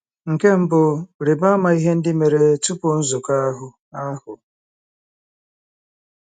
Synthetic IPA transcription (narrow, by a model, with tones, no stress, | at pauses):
ŋ̩˨ke˦m̩˦bʊ˨ɾi˨ba˦ma˨i˦ɦe˦n̩˦dɪ˦me˨ɾe˨˦tu˦po˨n̩˦zʊ˨ka˦a˦ɦʊ˨ | a˦hʊ˨